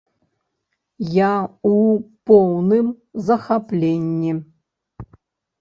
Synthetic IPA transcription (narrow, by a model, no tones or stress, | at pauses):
jaupɔwnɨm | zɐxaplʲenʲːi